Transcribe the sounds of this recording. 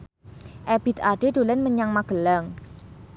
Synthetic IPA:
ʔɛb̥i̤t̪aɖ̥ed̪̥ulɪnməɲaŋmaɡ̥əlaŋ

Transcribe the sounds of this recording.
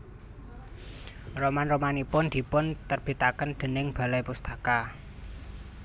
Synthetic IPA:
romanromanipʊnd̪̥i̤pʊnt̪ərb̥i̤t̪akənd̪̥ə̤nɪŋb̥a̤lajpust̪aka

